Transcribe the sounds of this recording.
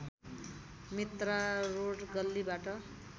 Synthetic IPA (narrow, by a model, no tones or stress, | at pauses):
mit̪raroɽɡʌlːibaʈʌ